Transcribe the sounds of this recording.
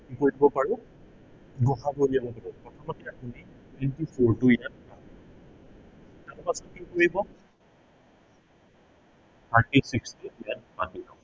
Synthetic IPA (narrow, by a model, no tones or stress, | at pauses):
kikoɹjdibɔpaɹʊ | ɡɔɦaboliabɔpaɹʊkɔtʰamatiapunitwɛntifʰɔɹtuijat̚pati | taɹpasɔtkikojibɔ | pʰatisikstiijat̚patila̰